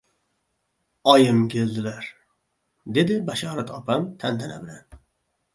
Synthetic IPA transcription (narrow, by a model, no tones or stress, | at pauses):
ɒjɪmkʲʰe̞ld̪ɪlaɾ | d̪e̞d̪ɪbaʃɑːɾat̪ʰɒpʰamt̪ʰand̪ʰana̰bɪla̰n